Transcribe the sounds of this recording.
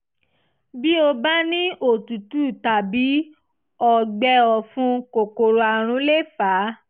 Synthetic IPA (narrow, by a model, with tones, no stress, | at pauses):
bi˦o˧ba˦nĩ˦ʔo˨tu˨tu˦˨ta˨bi˨˦ | ɔ˨ɡ͡bɛ˧ɔ˨fũ˧ko˨ko˨ɾo˧a˨ɾ̃ũ˨˧˦le˦faː˨˦